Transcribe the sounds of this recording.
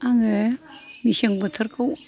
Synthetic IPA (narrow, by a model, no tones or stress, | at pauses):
aŋe | miɕeŋbət̪ʰɐɾkʰaw